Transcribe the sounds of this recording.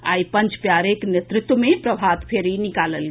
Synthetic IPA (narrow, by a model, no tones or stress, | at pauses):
a̰jpənt͡ʃpjaɾeknet̪ɾɪt̪wmepɾəbʱat̪pʰeɾinikaləl